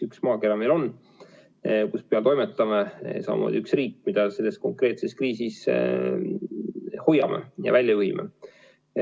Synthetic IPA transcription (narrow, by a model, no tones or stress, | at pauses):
yksmɑːke̞ɾɑmelo̞nː | kuspeɑt̪ojmet̪ːˑɑmesɑ̰mɑ̰mo̰ːd̪̥ʲiyksriːkːmid̪̥ɑse̞lːe̞sko̞ŋkre̞ːt̪se̞skriːsis | hojːɑmḛjɑ̰vælʲjɑjuɦimḛ